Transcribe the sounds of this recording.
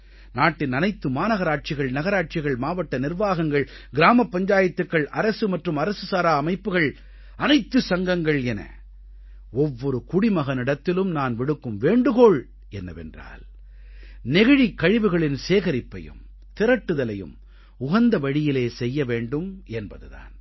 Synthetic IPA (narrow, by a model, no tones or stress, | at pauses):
naːʈːɪnɐnɐɪt̪ːɯmaːnɐɣɐɾaːʈ̚t͡ʃɪɣɐɭnɐɣɐɾaːʈ̚t͡ʃɪɣɐɭmaːʋɐʈːɐnɪrʋaːɣɐŋɡɐɭ | ɡɪɾaːmɐpːɐɲd͡ʒaːjɐt̪ːɯkːɐɭʔɐɾɐsɯmɐʈrɯmɐɾɐsɯsaːɾaːɐmɐɪpːɯɣɐɭ | ɐnɐɪt̪ːɯsɐŋɡɐŋɡɐɭɛnɐ̰ | ɔʋːɔɾɯkʊɽimɐɣɐnɪɽɐt̪ːɪlɯmnaːnʋɪɽɯkːɯmʋeːɳɖɯɣoːɭ | ɛnːɐ̰ʋɛ̰ndra̰ːl | nɛɣɐɻikːɐɻɪʋɯɣɐɭɪnseːɣɐɾɪpːɐ̰jɯ̰m | t̪ɪɾɐʈːɯðɐlɐjɯ̰m | ʊɣɐnd̪ɐʋɐɻɪjɪleːsɛjːɐʋeːɳɖɯmɛnbɐðɯða̰ːn